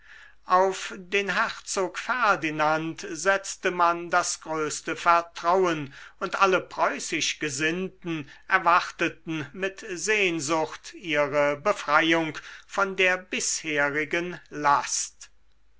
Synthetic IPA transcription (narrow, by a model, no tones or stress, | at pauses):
ʔaʊfdeːnɦɛʁt͡soːkfɛɐdinantz̥ɛt͡stəmandasɡ̥ʁøːstəfɛɐtʁ̥awənʊntʔaləpʁ̥ɔʏsɪʃɡ̥əzɪntn̩ʔɛɐvaχtətn̩mɪtzeːnzʊxtiːʁəbəfʁ̥ajʊŋkfɔndeːɐbɪsheːʁɪɡənlast